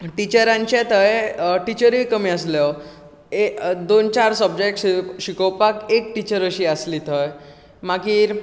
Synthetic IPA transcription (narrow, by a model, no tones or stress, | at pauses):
ʈit͡ɕəɾãɲt͡ɕet̪əjʈit͡ɕəɾikəmĩəslɔ | ed̪ont͡ɕaɾsəbd͡ʑekʈɕikəwpakek̚ʈit͡ɕəɾəɕiːəslit̪ʰəj | makiːɾ